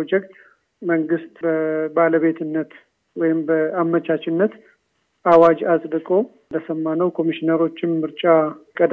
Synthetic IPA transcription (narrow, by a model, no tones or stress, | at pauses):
od͡ʒɛkt̪ | məŋɡɨst̪bəbaləβe̞t̪ʰɨnːət̪ | wɔjɪmbəamːət͡ʃat͡ʃʼɪnːət̪ | ʔawad͡ʒasʼd̪ɨkʼo̞ | d̪əsəmːanəwkʰo̞miʃinəɾo̞t͡ʃːɪnmɨɾt͡ʃʼakʼəd̪